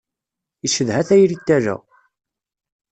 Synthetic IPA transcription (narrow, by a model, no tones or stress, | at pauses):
iʃəðhæθæjɾit̪ːæɾæ̰